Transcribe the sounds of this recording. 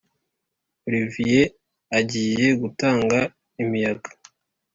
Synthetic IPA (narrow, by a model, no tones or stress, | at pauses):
ɾivije | aɟiːje̞ɡutaːŋɡa | imijaɡa